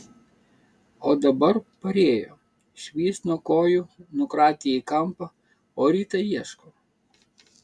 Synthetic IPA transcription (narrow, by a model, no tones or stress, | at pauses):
oːd̪ɐbɐɾpɐɾʲeːjo̰ː | ʃʲʋʲiːst̪nuɔkoːjʊnʊkɾɑːt̪ʲɪjɛikɐmpɐ | oːɾʲiːt̪ɐjiɛʃko